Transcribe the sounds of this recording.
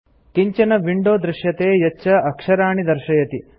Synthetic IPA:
kiɲt͡ʃɐnɐʋiɳɖoːd̪ɾɪʃjɐt̪eːjɐːt͡ʃːɐɐkʂɐɾaːɳid̪ɐɾʃɐjɐt̪i

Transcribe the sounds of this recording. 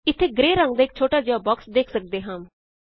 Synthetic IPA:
ɪt̪ʰːeːɡɾeːɾəŋɡd̪aːɪk̚t͡ʃʰoːʈaːd͡ʒɪjaːbɔːksd̪eːkʰsək̚d̪eːɦãːm

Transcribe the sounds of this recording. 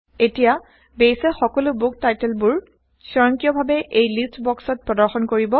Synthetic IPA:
etija | bejsɛxɔkɔlʊbuk̚tajtɛlbuɹ | sɔɹɔŋkijɔbʱabɛʔejlistbɔksɔt̚pɹɔdɔɹxɔnkoɹibɔ

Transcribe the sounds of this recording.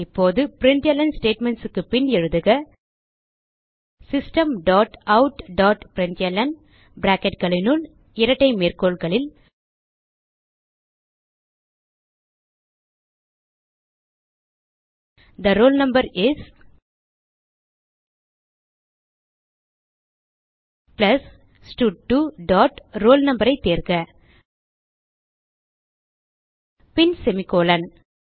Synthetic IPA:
ɪpːoːðɯpɾɪntjɐlɐnsʈeːʈmɛɳʈsɯkːɯpɪnɛɻɯðɯɣɐ | sɪsʈɐmɖaːʈɐʊʈɖaːʈpɪɾɪɳt̪ɪjɐlɐn | bɪɾaːkɛʈ̚ɡɐɭɪnʊɭ | ɪɾɐʈːɐɪmeːrkoːɭɡɐɭɪl | d̪ɐɾoːlnɐmbɐɾɪs | plɐs | sʈuːʈ̚ʈːuɖɔːʈɾoːlnɐmbɐɾɐɪt̪ːeːɾkɐ | pɪnsɛmɪkoːlɐn

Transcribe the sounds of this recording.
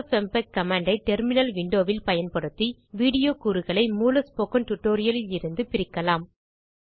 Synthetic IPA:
fɛmpɐkːɐmaːɳɖɐɪʈɛɾmɪnɐlʋɪɳɖoːʋɪlpɐjɐnpɐɽɯt̪ːiʋiːɽɪjoːkuːɾɯɣɐɭɐɪmuːlɐspoːkɐnʈʊʈːoːɾɪjɐlɪlɪɾɯnd̪ɯpɪɾɪkːɐlaːm

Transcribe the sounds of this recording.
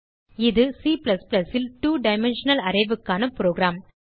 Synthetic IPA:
ɪðɯsiːplɐsplɐsɪlʈuːɖɐɪmɛnʂɐnɐlɐɾɐɪʋɯkːaːnɐpɾoːɡɾaːm

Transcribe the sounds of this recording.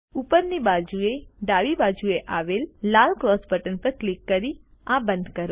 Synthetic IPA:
upəɾnibad͡ʒueɖaʋibad͡ʒueʔaʋelːalkɾɔsbəʈənpəɾklikːəɾi | abə̃nd̪kəɾo

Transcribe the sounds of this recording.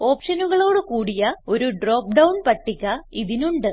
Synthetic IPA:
o̞ːpʂɐnuɣɐɭo̞ːɽɨkuːɽijɐo̞ɾuɖro̞ːp̚ɖɐwnpɐʈːikʲːɐiðinuɳɖɨ

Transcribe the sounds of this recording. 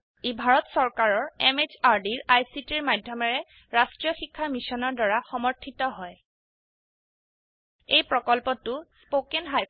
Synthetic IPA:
ibʱaɹɔtsɔɹkaɹɔɹɛmet͡ʃaɹdiɹajsitiɹmadʱjɔmɛɹɛ | ɹastɹijɔxikʰːamisɔnɔɹdɔɹaxɔmɔɹtʰitɔɦɔj | ejpɹɔkɔlpɔtʊspokenɦaj

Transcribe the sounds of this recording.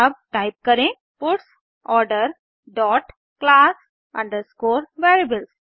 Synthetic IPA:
əb̚ʈaɪp̚kəɾẽ | pʊʈs | ɔːɾɖəɾ | ɖɔːʈ | klas | ã̰ɳd̪əskoːɾʋeɾibəls

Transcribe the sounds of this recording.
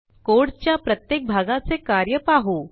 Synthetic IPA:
koːɽt͡ɕjapɾət̪jeːk̚bʱaːɡat͡sekaɾjəpaɦo

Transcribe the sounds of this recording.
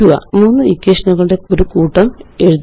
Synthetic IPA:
uʋɐ̰muːnːɨikʲːeʂnɐɣɐɭɨɽe̞oɾukuːʈːɐme̞ɻuð

